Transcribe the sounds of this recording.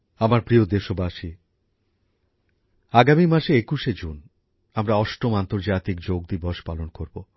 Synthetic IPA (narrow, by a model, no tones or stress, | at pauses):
amaɾpɾiod̪eʃobaʃi | aɡamimaʃeekuʃed͡ʑon | amɾaɔʃʈomant̪oɾd͡ʑat̪ikd͡ʑoɡ̚d̪iboʃpalonkoɾbo